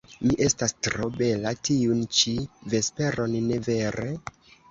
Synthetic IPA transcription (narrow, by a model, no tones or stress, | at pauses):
miʔe̞stastɾo̞be̞latiunt͡ʃive̞spe̞ɾo̞nne̞ve̞ɾe